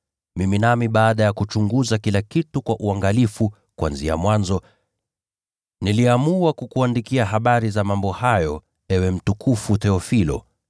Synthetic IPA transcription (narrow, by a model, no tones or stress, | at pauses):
miminamiɓaːɗajakut͡ʃuŋɡuzakilakitukwaʔuaŋɡalifu | kwa̰nzia̰mwanzɔ | niliamuakukuandikiaɦaɓaɾizamambɔhajɔ | ɛwɛm̩tukʰufuθɛɔfilɔ̰